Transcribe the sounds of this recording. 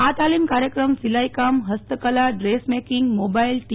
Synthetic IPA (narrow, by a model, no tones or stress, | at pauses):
at̪alimkaɾjəkɾəmsilajkamɦəst̪əkəlaɖɾesmekiŋɡmobailʈi